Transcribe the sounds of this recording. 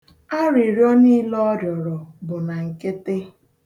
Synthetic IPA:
a˦ɾi˨ɾjɔ˦ni˦lɔ˦djɔ˨ɾɔ˨bʊ˨na˨ŋ̩˨ke˦te˦

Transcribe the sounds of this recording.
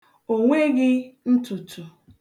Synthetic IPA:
o˨ŋʷe˦ɡɪ˦n̩˦tʊ˨tʰʊ˨

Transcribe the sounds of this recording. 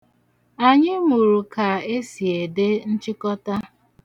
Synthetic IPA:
a˨ɲɪ˦mu˨ɾu˨ka˨e˦si˨e˨de˦n̩˦t͡ʃɪ˦kɔ˦ta˦

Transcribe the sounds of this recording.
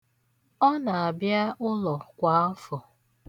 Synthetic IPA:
ɔ˦na˨a˨bja˦ʔʊ˦lɔ˨kʷa˨˦m̩˦fʊ˨

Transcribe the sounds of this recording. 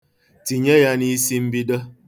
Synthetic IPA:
ti˨ɲe˦ja˦ni˦si˦m̩˦bi˦də˦

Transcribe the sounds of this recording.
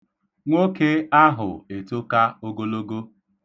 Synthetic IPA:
ŋʷo˦ke˦a˦ɦʊ̰˨e˨to˦ka˦o˦ɡo˦lo˦ɡo˦

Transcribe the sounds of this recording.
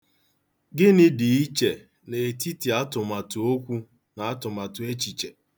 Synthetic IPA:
ɡɪ˦nɪ˦di˨i˦t͡ʃe˨ | ne˨e˨ti˦ti˨a˦tʊ˨ma˨tʊ˨o˦kʷu˦ | na˨a˦tʊ˨ma˨tʊ˨e˦t͡ʃi˨t͡ʃe˨

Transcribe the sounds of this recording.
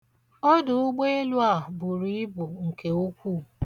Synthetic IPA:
o˦dʊ˨ʊ˦ɡ͡be˦e˦lu˦a˨bʊ˨ɾi˦ɪ˦bʊ˨ŋ̩˨ke˨o˦kʷuː˦˨

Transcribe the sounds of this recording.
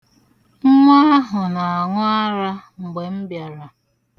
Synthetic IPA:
ŋ̩˦ŋʷa˦ɦʊ˨na˨a˨ŋʷʊ˦a˦ɾa˦ŋ̩˨ɡ͡be˨m̩˦bja˨ɾa˨

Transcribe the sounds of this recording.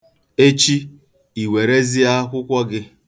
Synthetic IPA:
e˦t͡ʃi˦ | i˨we˨ɾe˦zi˦a˦kʷʊ˦kʷɔ˦ɡɪ˦

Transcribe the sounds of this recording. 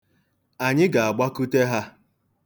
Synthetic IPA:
a˨ɲɪ˦ɡa˨a˨ɡ͡ba˦ku˦te˦ɦa˦

